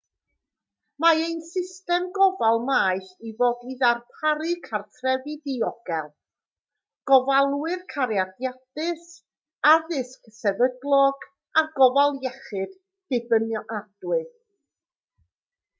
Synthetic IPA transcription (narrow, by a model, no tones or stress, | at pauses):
maejnsɪstɛmɡɔvalˠmaːjθivɔdiðarpʰaɾɨkʰartʰrɛvɨðiɔɡ̥ɛlˠ | ɡ̥ɔvalˠwɨrkʰaɾjadjadɨs | aðɪsksɛvədlˠɔɡ | aɡɔvalˠjɛχɨd̥ | d̥ɪbənjɔʔad̥wɨð